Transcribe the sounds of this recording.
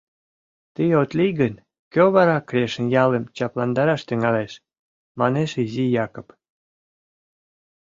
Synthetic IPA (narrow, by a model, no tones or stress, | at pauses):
t̪ijot̪lijɣən | køβɑɾɑkɾʲeʃənjɑlemt͡ɕɑplɑnd̪ɑɾɑʃt̪yŋɑleʃ | mɑneʃizijɑkop